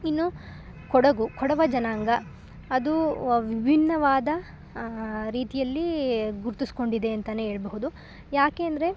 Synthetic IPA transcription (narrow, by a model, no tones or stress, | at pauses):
inːu | kɔɽɐɡukʰɔɽɐʋɐd͡ʒɐnaːŋɡɐː | d̪uʋibʱinːɐʋaːd̪ɐ | ɾiːt̪ijɐlːiɡuɾt̪isko̞ɳɖid̪e̞ɐnt̪ɐneːɦe̞ːɭɐbɐɦud̪u | jaːke̞ːɐnd̪ɐɾe̞